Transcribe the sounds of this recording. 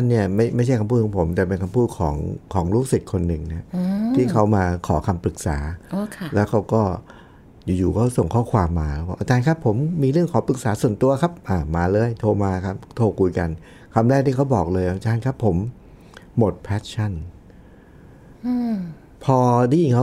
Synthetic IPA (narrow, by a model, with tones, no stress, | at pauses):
a˥nːi˥˩ɐma˥˩jma˥˩t͡ɕʰa˥˩jkʰa˧pʰuː˥˩kːɔː˨˩˦pʰo˩˦mt̪ɛː˨˩pe˧nkʰa˧mpʰuː˥˩t̪̚kʰɔ̰ː˩˦ŋkʰɔː˩˦ŋɾuː˦˥˩k̚si˨˩t̪̚kʰo˧nːɯ˨˩ŋna˦˥ɐt̪ʰiː˥˩kʰa˦˥wmaː˧kʰɔː˩˦kʰa˧mpɾɯ˨˩k̚sa̰ː˩˦˧kʰlɛː˦˥wkʰa˦˥wkɔː˥˩ | juː˨˩juː˨˩kɔː˥˩so˨˩ŋkʰɔː˥˩kʰwaː˧mːaː˧lɛ˦˥wa˥˩ʔaː˧t͡ɕaː˧nkʰa˦˥pʰːo˩˦mːiː˧ɾɯ˥˩əŋkʰɔː˩˦pɾɯ˨˩k̚saː˩˦˥su˨˩ənt̪u˧ɐkʰa˦˥p̚ʔaː˧˨˩maː˧lɤː˧jt̪ʰoː˧maː˧kʰa˦˥p̚t̪ʰoː˧˩kʰu˧jka˧n | kʰa˧mɾɛː˥˩k̪̚ʰiː˥˩kʰa˦˥wbɔː˨˩k̚lɤː˧jʔa˧˩t͡ɕaː˧nkʰa˦˥pʰːo˩˦mː | o˨˩t̪̚pʰɛː˦˥t̪̚t͡ɕʰa˥˩n˧ | pʰɔː˧diː˥˩˨i˨˩ŋkʰa˦˥